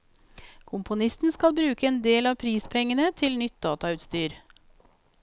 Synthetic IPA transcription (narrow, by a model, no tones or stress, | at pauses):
kʰʊmpʊnɪst̪n̩skɑlbɾʉːkəeːnd̪eːlɑːpʰɾiːspʰɛŋənət̪ʰɪlnʏt̪̚d̪ɑːt̪ɑʉːt̪st̪yːɾ